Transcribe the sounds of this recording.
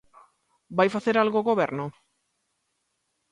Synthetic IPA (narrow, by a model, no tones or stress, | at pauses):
bajfaθeɾalɣoɣoβeɾnʊ